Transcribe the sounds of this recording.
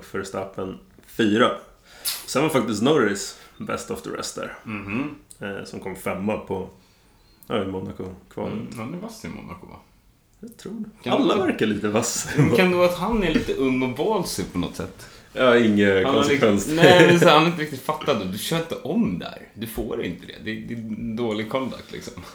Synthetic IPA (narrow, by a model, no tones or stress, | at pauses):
fœɾst̪apːənfyːɾa | ɔsɛnvaɾfak̚t̪ɪst̪nɔɾɪsbɛ̰st̪ɔfd̪ə̰ɾɛ̰st̪d̪æ̰ːɾm̩h | sɔmkʰɔmːfɛmːapʰɔ | ɑɪmɔnakʊkʰvɑ̰ːhanæɾvasːɪ̰mɔ̰na̰kʊ̰va̰ | jat̪ʰɾuːɖɛkʰaalːavæɾkaɭiːt̪əvasːkʰand̪ɵvaːt̪hanːæɭiːt̪əʔɵŋːɔvɔːlsɪpʰɔnɔ̰t̪sɛ̰t̪ː | ɑɪŋːəhakʰɔnsɛkʰvɛnsnɛd̪ɛsɾhanaɾɪnt̪əɾɪk̚t̪ɪt̪fat̪ːad̪ɔd̪ɵɕœːɾɪnt̪əʔɔmd̪æ̰ɾd̪ɵfoːɾɪ̰nt̪əd̪ɛ̰d̪ɛd̪ɪd̪oːlɪɡ̚kʰɔnd̪a̰k̚t̪ʰlɪ̰ksɔm